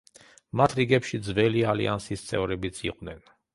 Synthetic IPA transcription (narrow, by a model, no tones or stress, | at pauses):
mat̪ʰɾiɡɛpʃid̪zvɛlialḭansist̪sʼɛ̰vɾɛbit̪sʰḭqʼvnɛn